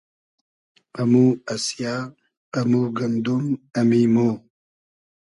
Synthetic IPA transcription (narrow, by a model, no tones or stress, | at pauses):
ɐmuɐsjaː | ɐmuɡɐnd̪umɐmimoː